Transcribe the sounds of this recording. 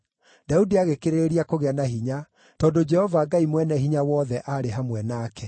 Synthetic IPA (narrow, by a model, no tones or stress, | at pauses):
daudiaɣekeɾeeɾiakoɣeanaɦiɲa | tɔːdod͡ʒɛhɔvaɡaimwɛnɛɦiɲawɔðɛʔaɾeɦamwɛnaːkɛ